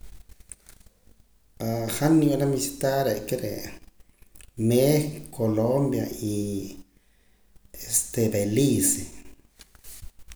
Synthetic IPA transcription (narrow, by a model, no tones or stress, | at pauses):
axanialamisit̪aɾekeɾḛ | nekʰolombja̰i | est̪ebelise